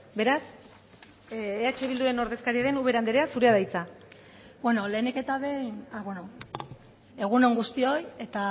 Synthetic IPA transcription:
be̞ɾas | eat͡ʃe̞βild̪uɾe̞no̞ɾðe̞skaɾiaɾe̞nuβ̞e̞ɾand̪eɾeasuɾeað̞ajt͡sa | bwe̞no̞le̞nike̞t̪aβe̞jnaβweno | e̞ɣ̞uno̞ŋɡust̪io̞je̞t̪a

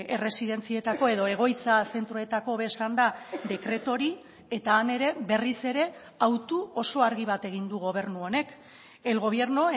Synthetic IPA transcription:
e̞re̞siðe̞nt͡sie̞t̪ako̞e̞ðo̞e̞ɣ̞o̞jt͡sase̞nt̪ɾoet̪ako̞βe̞sand̪ad̪e̞kɾe̞t̪o̞ɾi | e̞t̪aːne̞ɾe̞βe̞rise̞ɾe̞ | awt̪uo̞so̞aɾɣiβ̞at̪e̞ɣind̪uɣo̞β̞e̞ɾnuo̞ne̞k | e̞lɣo̞β̞e̞ɾnoe

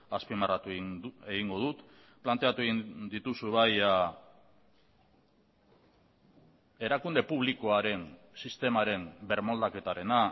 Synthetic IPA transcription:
aspimarat̪ueɣiŋɡo̞ðut̪ | plant̪e̞at̪ueɣid̪it̪usuβaja | e̞ɾakund̪e̞puβ̞liko̞aɾe̞n | sist̪e̞maɾe̞mbe̞ɾmo̞ld̪ake̞t̪aɾe̞na

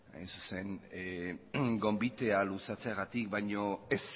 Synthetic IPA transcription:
a̰jnsuse̞ŋ | ɡo̞mbit̪e̞alusat͡seaɣat̪ikbajɲo̞es

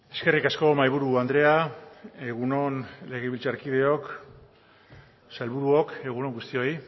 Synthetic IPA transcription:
e̞ske̞rikasko̞majβuɾuand̪ɾe̞ae̞ɣ̞uno̞nle̞ɣeβilt͡saɾkiðe̞o̞k | salβuɾuo̞ke̞ɣuno̞ŋɡust̪io̞j

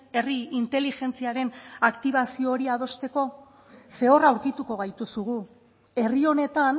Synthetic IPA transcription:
e̞riint̪e̞lixe̞nt͡siaɾe̞nakt̪iβ̞asio̞ːɾiað̞o̞st̪e̞ko̞ | se̞o̞rawɾkit̪uko̞βajt̪usuɣu | e̞rio̞ne̞t̪an

